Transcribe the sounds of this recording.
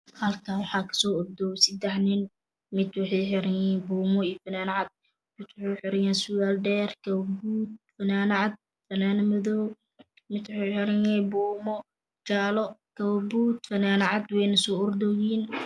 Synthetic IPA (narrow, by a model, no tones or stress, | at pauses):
hɐlkʰaːwɑħɑːkʰɐ̥sɔːʊrd̪ɔwsɪd̪ɛħnɪn | mɪd̪wɑħɛjħɪɾɐjɛbuːmɔijfɐnaːnɐʕɑd̪̚ | mɪd̪wʊħoħɪɾɪjaːnsʊɣaːlɖɛːrkʰɐwbuːt̪̚fɐnaːnɐʕɑd̪̚ | fɐnaːnɪmɐðɔ | mɪd̪wħeħɪɾɐɲɛbuːmɔ | t͡ʃaːlɔkʰɐwbuːt̪fɐnaːnɐʕɑd̪wɛjnɐsɔːʊrd̪ɔɣiːn